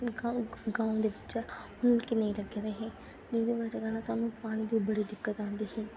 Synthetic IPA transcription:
ɡãːũd̪eːbɪt͡ʃːt͡ʃɛʊnkɪnəĩːləɡeːɾeːɦeː | d̪id̪eːʋad͡ʒaɡanaːsaːnũːpaːɽ̃ĩːd̪iːbəɽiːd̪ɪkːət̪ãːnd̪iːɦɛː

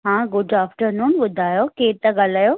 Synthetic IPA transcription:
ɦãːɡʊɖaːfʈəɾnuːmɓʊd̪ʱaːjokeːt̪ɐɠalaːjoː

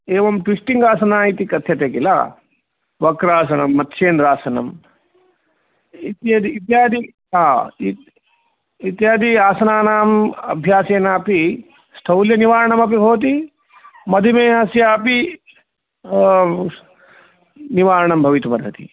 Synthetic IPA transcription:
eːʋɐmʈʋisʈiŋɡaːsɐnaːit̪ikɐt̪ʰjɐt̪eːkila̰ː | ʋɐkɾaːs̬ɐnɐmːɐt̪ːʃeːnɾaːsɐnɐ̰m | it̪jɐd̪iit̪jaːd̪i | ɦãːi | it̪jaːd̪iaːsɐnaːnaːmɐ̰bʱjaːseːnaːpi | sʈ̪ʰɐwljɐniʋaːɾɐɳɐmɐp̬ibʱoːt̪̬i | mɐd̪ʱimeːɦɐsjaːpi | niʋaːɾɐɳɐmbʱɐʋit̪umɐd̪ʱɐt̪ḭ

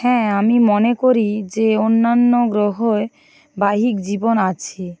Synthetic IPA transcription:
hɛ̃amimonekoɾid͡ʑeonːanːoɡɾoɦoe | baɦikd͡ʑibonat͡ɕʰi

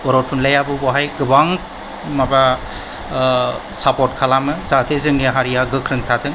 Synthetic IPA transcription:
bɔɾɔtʰunlajabɯbɔɦajɡɯbaŋ | maba | sapɔtkʰalamɯzat̪ʰezɯŋnijaɦaɾijaɡɯkʰɾɯŋtʰat̪ʰɯŋ

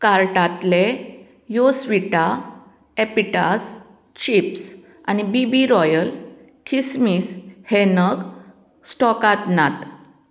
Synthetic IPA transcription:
kaɾʈat̪le | josʋiʈa | epiʈas | t͡ɕips | a̰nibibiɾɔjəl | kʰismiːshenəɡ | sʈɔkat̪nat̪

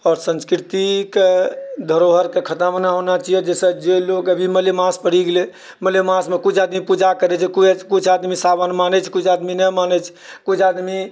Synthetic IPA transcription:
ɔːɾsə̃nskɾit̪iked̪ʱəɾoɦəɾkekʰət̪amənaɦonat͡ʃiɛd͡ʒesəd͡ʒelokəbʱiməlemãspəɽ̤iɡele | məljemãsmekut͡ʃʰad̪mipud͡ʒakəɾɛt͡ʃʰɛkuɛt͡ʃʰkut͡ʃʰad̪misabənmanɛt͡ʃʰkut͡ʃʰad̪minəmanɛt͡ʃʰ | kut͡ʃʰad̪mi

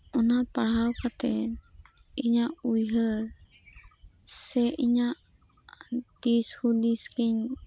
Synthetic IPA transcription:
ɔnapaɽ̤awkʰat̪ɛ | iɲaʔujɦəɾ | sɛʔiɲaʔ | t̪ishud̪iskiɲ

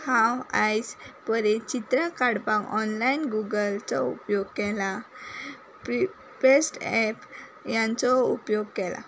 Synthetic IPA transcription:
hãwajspəɾet͡ɕit̪ɾəkaɽpãkɔnlainɡuɡəlt͡sɔṵpjoɡkɛla | p | pesʈɛpjãnt͡sɔupjoɡkɛla̰

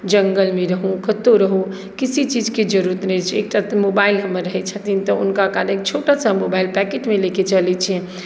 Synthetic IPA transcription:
d͡ʒəŋɡəlmeɾəɦũkət̪oɾəɦũ | kisit͡ʃid͡ʒked͡ʒəɾuɾət̪nɛt͡ʃʰek̚ʈat̪mobailɦəmːəɾːəɦɛt̪t͡ʃʰət̪int̪ɔṵnkakaɾənkt͡ʃʰoʈəsəmobailpɛkeʈmeleket͡ʃəlɛt͡ʃʰĩ

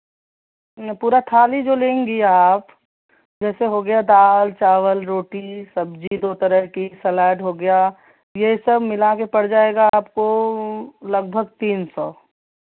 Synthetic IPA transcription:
puːɾat̪ʰaːlid͡ʒolẽːŋɡiaːp | d͡ʒɛːseɦoːɡɐjad̪aːlt͡ʃaːʋəlɾoːʈisɐbd͡ʒid̪oːt̪əɾəɦkisɐlaːʈɦoɡɐjaː | jɐɦisɐbmɪlakepɐɽd͡ʒaːeːɡaːpko | lɐɡ̚bʱəɡ̚t̪iːnsɔː

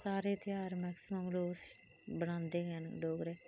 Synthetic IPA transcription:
saːɾeːt̪ɪjaːɾmɛːksɪməmloːs | bəɽ̃ãːnd̪eːɦənɖoːɡɾeː

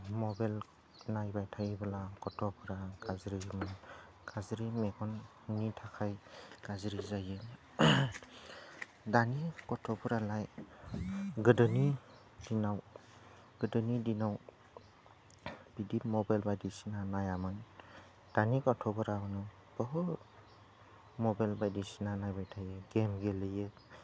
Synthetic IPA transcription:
mɔbal | najbajtʰajbalakɔtʰɔbɔɾaɡazɾimɯ | ɡ̥azɾimeɡɔn | nitʰakʰajɡ̥azɾizajɯ | danikɔtʰɔbɔɾalaj | ɡɯdɯni | dinaw | ɡ̥ɯdɯnidinaw | b̥idimɔbajlbajdisinanajamɯn | d̥anikɔtʰɔbɔɾamɯnɯ | b̥ɔɦɔt̚ | mɔbajlbajdisinanajbajtʰajɯɡemɡelɯjɯ

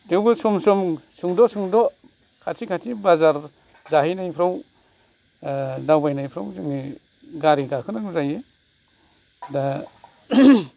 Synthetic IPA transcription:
tewbɯsɔmsɔmsuŋdɔsuŋdɔ | kʰatʰikʰatʰibazaɾ | zaɦijnajpʰɾaw | dawbajnajpʰɾawzɯŋi | ɡaɾiɡakʰɯnɯŋzaje | da

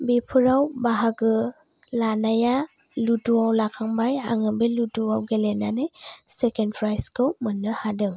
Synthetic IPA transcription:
bipʰɯɾawbaɦaɡɯ | lanaja | lutuawlakʰaŋbajaŋɯbɯlutuawɡelenanɯjsekenpʰɾajskʰɯwmɯnːɯhadɯŋ

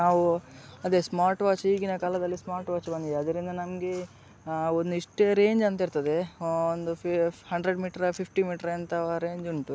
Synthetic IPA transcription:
naːʋuɐd̪e̞smaːɾʈʋaːt͡ʃiːɡinɐkaːlɐd̪ɐlːismaːɾʈʋaːt͡ʃbɐnd̪id̪eɐd̪ɐɾind̪ɐnɐmɡe̞ | ond̪uiʂʈeɾeːɲd͡ʒɐnt̪ɐɦiɾt̪ɐd̪e̞ond̪uhɐɳɖɾeɖmiːʈɐɾɐpʰipʰʈimiːʈɐɾɐnt̪ɐɾe̞ːɲd͡ʒuɳʈu

